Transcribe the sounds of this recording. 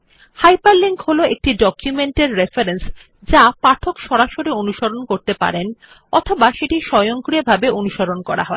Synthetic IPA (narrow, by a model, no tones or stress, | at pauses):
hajpaɾliŋkholoek̚ʈiɖɔkjumeɳʈeɾːefaɾens | d͡ʑapaʈʰokʃɔɾaʃoɾionuʃoɾonkoɾt̪epa̰ɾen | ɔt̪ʰobaʃeʈiʃɔjoŋkɾiebʱabeʔonuʃoɾonkɔɾa̰ɦɔe